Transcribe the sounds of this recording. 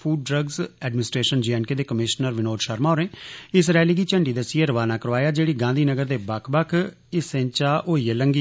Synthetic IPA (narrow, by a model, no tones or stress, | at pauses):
pʰuːɖːɾəɡzɛːɖmɪnɪsʈɾeːʃənd͡ʒiːɛːnkeːd̪eːkəmɪʃnəɾʋɪnoːdʃəɾmaːɾẽːɪs̬ɾɛːliːɡiːt͡ʃəɳɖiːd̪asieɾəʋaːnaːkəɾʋaːjaːd͡ʒeːɽiːɡãːnd̪iːnəɡəɾd̪eːbəkʰbəkʰ | ɪsẽːt͡ʃaːʔoːiːeləŋɡiː